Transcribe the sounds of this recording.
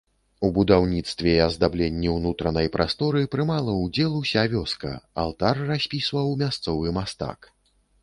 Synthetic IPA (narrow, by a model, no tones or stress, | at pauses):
ubud̪awnʲit̪st̪vʲɛiɐzd̪ablʲenʲːiwnut̪ɾɐnɐjpɾʔast̪ɔɾɨpɾɨmalˠɐwd͡zʲɛlˠusʲavʲɔskɐ̰a̰lˠt̪arːasʲpʲisvɐwmʲast̪sɔvɨmast̪a̰k